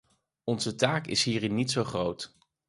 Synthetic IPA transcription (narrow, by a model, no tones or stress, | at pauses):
ɔnz̥ətaːkɪ̰sɦiːrɪnːitsowχrowt